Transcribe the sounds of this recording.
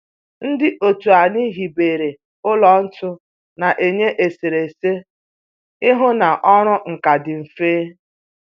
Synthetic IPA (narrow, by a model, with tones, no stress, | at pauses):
n̩˦dɪ˦ʔo˨tu˨a˨ni˦ɦi˨be˨ɾe˨ | ʊ˦lɔ˨n̩˦tʊ˦ | na˨ʔe˨ɲe˦ʔe˨si˨ɾe˨se˦ | ɪ˦ɦʊ˦na˨ʔɔ˦ɾʊ˦ŋ̩˨ka˨dɪ˨m̩˨feː˦